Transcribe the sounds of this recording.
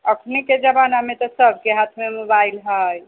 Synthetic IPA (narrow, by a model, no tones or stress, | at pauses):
əkʰniked͡ʒəbanamet̪ɔsəb̚ʱkeɦat̪ʰmemobailɦəj